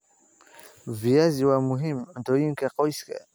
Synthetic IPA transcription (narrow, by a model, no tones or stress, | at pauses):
viaziwamuɦimndoiŋkaqoiska̰